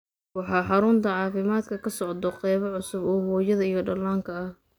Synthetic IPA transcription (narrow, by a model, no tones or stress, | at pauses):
wɑħɑːħɑɾʊnt̪ʰɐʕɑːfɪmaːd̪kʰɐkʰɐsɔʕd̪ɔqɛjβɐʕʊsʊbɔːhɔːjɐðɐijɔɖɐlaːŋkʰɐɐh